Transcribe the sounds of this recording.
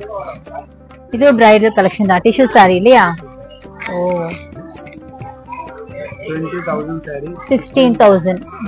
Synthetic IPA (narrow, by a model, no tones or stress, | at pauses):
id̪ubɾajɖɐlkɐlekʃɐnd̪aːʈiʃusaːɾiːlːijaː | oː | ʈʋeɳʈit̪ʰɐwzɐɳɖsaɾisiksʈiːnt̪ʰɐwzɐ̃ɳɖ